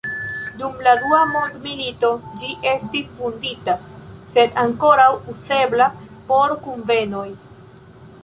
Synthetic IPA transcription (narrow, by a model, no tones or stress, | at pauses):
dumladuamo̞ndmilito̞d͡ʒiʔe̞stisfunditase̞daŋko̞ɾawuse̞blapo̞ɾkunve̞no̞j